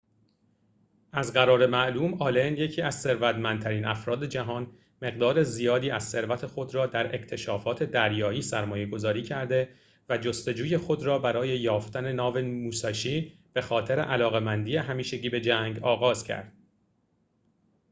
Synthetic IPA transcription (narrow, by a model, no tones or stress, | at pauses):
ʔæzɢæɾɒːɾe̞mæʔluːmɒːlenje̞cʰiːæz̥se̞ɾvæt̪mænd̪̚t̪ʰæɾiːnʔæfɾɒːd̪e̞d͡ʒæɦɒːn | me̞ɣd̪ɒːɾe̞zijɒːd̪iːæz̥se̞ɾvæt̪ʰe̞xo̞d̪ɾɒːd̪æɾʔe̞̰ct̪ʰe̞ʃɒːfɒːt̪ʰe̞d̪æɾjɒːiːsæɾmɒːje̞ɡo̞zɒːɾiːcʰæɾd̪e̞ | væd͡ʒo̞st̪o̞d͡ʒuːje̞xo̞d̪ɾɒːbæɾɒːje̞jɒːft̪æne̞nɒːve̞muːsɒʃiː | b̥e̞xɒːt̪ʰe̞ɾe̞̰ʔælɒːɣe̞mænd̪iːjeɦæmiːʃe̞ɟiːbe̞d͡ʒæŋɡɒːɣɒːzcʰæ̰ɾd̪̥